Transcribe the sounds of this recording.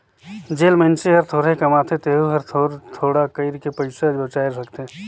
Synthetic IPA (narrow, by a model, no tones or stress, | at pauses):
d͡ʒeːlmə̃nt͡ʃeɦəɾt̪ʰoːɾekɐmaːt̪ʰet̪eːɦuɦɐɾt̪ʰoɾt̪ʰoːɽakəɪɾkepəɪsad͡ʒbət͡ʃaːeɾsəkt̪eeː